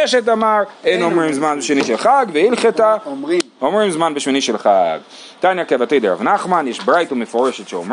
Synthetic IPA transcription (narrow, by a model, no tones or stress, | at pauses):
eʃet̬amaɾenomʁimzmanbeʃiniʃelχaɡveilχet̪a | omʁimzmanbeʃminiʃelχaɡ | t̪anjakevat̪id̪eɾa̰vnaχmanjeʃbʁajtumefoɾeʃetʃeo̰m